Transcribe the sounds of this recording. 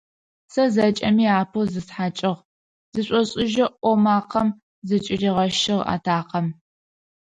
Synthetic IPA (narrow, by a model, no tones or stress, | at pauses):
sɐzɐt͡ʃʼɐmiːaːpʰozɨsħat͡ʃʼɪʁ | zɨɕʷʼɔɕʼɪʒɐʔʷɔmaːqʰɐm | zɨt͡ʃʼɪriːʁɐʃɪʁa̰ːtʰaːqɐm